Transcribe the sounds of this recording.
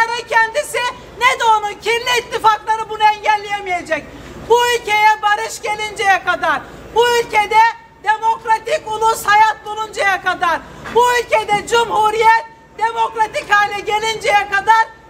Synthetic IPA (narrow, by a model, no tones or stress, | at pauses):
aɾɛcʰɛnd̪isɪ | nɛd̪oonucʰinlʲiːt̪ʰːifaklˠaɾɯbunuɛɲɟælʲːijemije̞d͡ʒɛc̚ | buylʲcʰe̞jɛbaɾɯʃɟe̞lʲind͡ʒɛjɛkad̪aɾ | buylʲcʰed̪ɛ | d̪̥e̞mo̞kɾat̪iculˠushajat̪̚b̪ulˠund͡ʒajakad̪aɾbuylʲcʰed̪ɛd͡ʒumhuɾijɛt̪̚ | d̪e̞mo̞kɾat̪ichaːlʲɛɟe̞lʲind͡ʒɛjɛkad̪aɾ